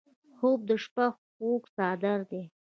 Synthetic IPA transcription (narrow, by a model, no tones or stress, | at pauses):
xob̚d̪əʃpax | oksɑd̪aɾd̪e